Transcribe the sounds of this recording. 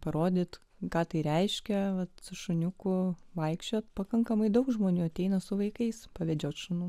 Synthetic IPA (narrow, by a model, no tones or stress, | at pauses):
pɐɾoːd̪ʲɪːt̪ | kɑːt̪ɐɪɾʲɛɪʃʲkʲɛʋɐt̪sʊʃʊnʲʊkʊʋɐɪkʃʲt͡ʃʲoːt̪pɐkɐŋkɐmɐɪd̪ɐʊkʒmoːnʲuːɐt̪ʲɛɪnɐsʊʋɐɪkɐɪspɐʋʲɛd͡ʒʲoːt̪ʃʊnuː